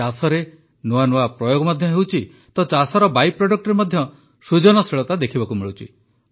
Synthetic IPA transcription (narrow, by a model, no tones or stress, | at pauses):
asɔɾe | noanoapɾɔjoɡɔmɔd̪ʱjɔɦewt͡ʃʰi | t̪ɔt͡ʃasɔɾɔbajpɾɔɖɔk̚ʈɔɾemɔd̪ʱjɔ | sud͡ʒɔnɔseɭɔt̪ad̪ekʰibakumiɭuwt͡ʃʰḭ